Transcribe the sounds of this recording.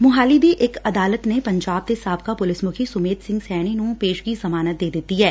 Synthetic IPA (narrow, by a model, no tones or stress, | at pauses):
mʊɦaːlibʱiʔekɐd̪aːlət̪nepɐ̃ɲd͡ʒaːb̚t̪esaːbkapʊlɪsmʊkʰisʊmeːt̪sɪ̃ŋɡsɛːɽ̃inũːpeːʃkisɐmaːnət̪̚d̪eːd̪eːt̪iɦɛː